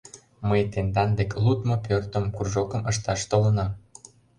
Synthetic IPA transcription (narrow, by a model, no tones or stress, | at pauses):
məjt̪end̪ɑnd̪eklut̪mopørt̪ə̆mkurʒokə̆məʃt̪ɑʃt̪olə̆nɑ